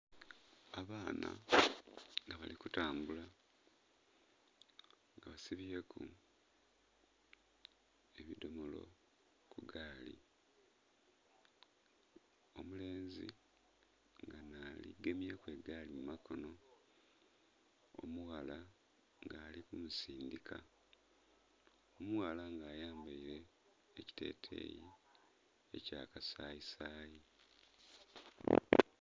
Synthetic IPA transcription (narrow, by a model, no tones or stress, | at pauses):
aβaːna̰ | ŋaβa̰likutaːmbula | ŋɡaβasiβijekʰu | e̞βido̞mo̞lo̞̰ | kuɡaːlḭ | omule̞ːnzḭ | ŋɡanalḭɡemjakwe̞ɡaːlimumakʰo̞no̞ | o̰muwala | ŋɡaːlikumusiːndikʰa | omuwalaŋɡaːjaːmbaiɾe̞ː | ci̥te̞̰ːtʰe̞̰ːji | ḛca̰ːkasaːisaːji